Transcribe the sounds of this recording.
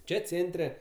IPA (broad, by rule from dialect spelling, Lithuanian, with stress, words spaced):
ˈt͡ʃʲɛ ˈt͡sʲeːnʲtʲrʲɛ